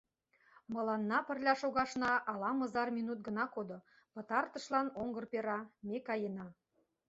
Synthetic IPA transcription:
mɤ̆lɑnːɑpə̆rlʲæʃoɣɑʃnɑʔɑlɑmɤ̆zɑrmʲinut̪̚ɡə̆nɑkod̪o | pɤ̆t̪ɑrt̪ɤ̆ʃlɑnoŋɡɤ̆rpeɾɑmekɑjenɑ

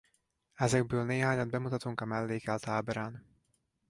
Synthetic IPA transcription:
ɛzɛɡ̚bøːlneːɦaːɲɒd̪̚bɛmut̪ɒt̪uŋkɒmɛlːeːkɛlt̪aːbɛɾaːn

